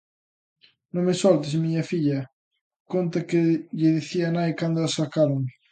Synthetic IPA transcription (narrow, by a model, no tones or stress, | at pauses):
nõŋmesɔlt̪ɪsmiɲɐfiʎɐ | kont̪ɐkɪʎɪðiθiɐnajkand̪ʊasakaɾoŋ